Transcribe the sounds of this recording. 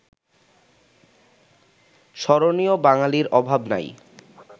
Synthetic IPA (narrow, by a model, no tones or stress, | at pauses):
ʃɔɾoniobaŋaliɾɔbʱabna̰j